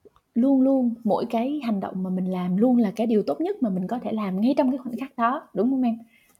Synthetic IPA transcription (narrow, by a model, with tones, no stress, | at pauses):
lu˧ənlu˧ənmo̰˧˥jkaː˨˦jha˨˩jŋ̟ɗə̰˧˨wŋ͡mmaː˨˩mï˨˩ŋ̟laː˨˩mlu˧ənlaː˨˩kaː˨˦jɗi˨˩əwt̪o˦˥t̚ɲə˦˥t̚maː˨˩mï˨˩ŋ̟kɔ˨˦t̪ʰe˧˩laː˨˩mŋa˧jt͡ɕɔ˧wŋ͡mkaː˨˦jxw̰ŋxaː˦˥k̚ɗɔ˨˦ɗʊ˨˦ŋ͡mxo˨˦wŋ͡mʔɛ˧m